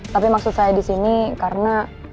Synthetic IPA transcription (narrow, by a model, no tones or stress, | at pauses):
t̪apimak̚sʊt̪sajadisinikaɾəna